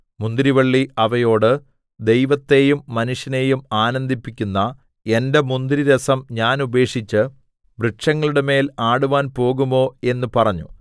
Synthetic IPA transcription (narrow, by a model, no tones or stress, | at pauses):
mund̪ɾiʋɐɭːiɐʋɐjo̞ːɽɨ | d̪e̞jʋɐt̪ːe̞ːjumːɐnuʂjɐne̞ːjumaːnɐnd̪ʱipːikʲːunːɐ | e̞nde̞mund̪ɾiɾɐsɐmɲaːnube̞ːʂit͡ɕːɨ | brɨʈʂɐŋːɐɭuɽeme̞ːlaːɽuʋaːnpo̞ːɣumo̞ːe̞nːupɐrɐɲːṵ